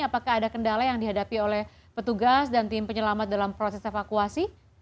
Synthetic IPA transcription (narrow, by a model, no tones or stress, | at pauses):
apakaɦːdakəndalajaŋdiɦadapiolɛh | pət̪uɡasdant̪ɪmpəɲəlamat̪̚dalampɾosɛsefakuasi